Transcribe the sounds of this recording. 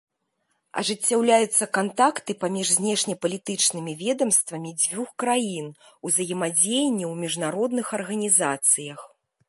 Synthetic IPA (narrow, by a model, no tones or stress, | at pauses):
ɐ̰ʐɨt͡sʲːawlʲajut̪sːɐkant̪akt̪ɨpamʲiʐzʲnʲɛʂnʲɐpɐlʲit̪ɨt͡ʂnɨmʲivʲɛd̪ɐmst̪vɐmʲid͡zʲvʲuxkɾajin | uzɐjɐmad͡zʲejnʲːɛwmʲiʐnaɾɔd̪nɨxɐrɣɐnʲizat̪sɨjɐx